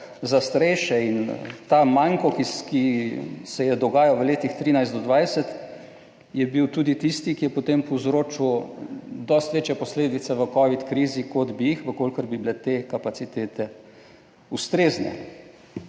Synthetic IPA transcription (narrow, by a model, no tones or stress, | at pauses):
zast̪aɾɛjʃɛint̪amaŋkɔkikisɛjɛd̪ɔɡaːjaʋəleːt̪ixt̪ɾiːnajzd̪ɔd̪ʋajsɛt̪ | jɛbiwt̪uːd̪it̪ist̪ikijɛpot̪empɔwzɾoːt͡ʃiw | d̪ɔst̪ʋeːt͡ʃjɛpɔsleːd̪it̪sɛʋəkɔʋit̪kɾiːzikɔd̪bijixʋəkoːlkəɾbibilɛt̪eːkapat̪sit̪eːt̪ɛ | ust̪ɾeːznɛ̰